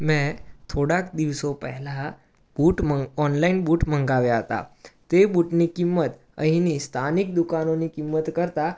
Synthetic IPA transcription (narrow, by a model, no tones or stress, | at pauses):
mɛ̃t̪ʰoɽakd̪iʋsopəɦla | buʈməɔnlainbuʈm̤əŋɡaʋjaɦət̪a̰t̪ebuʈnikimːət̪ | ə̰ɦinist̪ʰanik̚d̪ukanonikimːət̪kəɾt̪a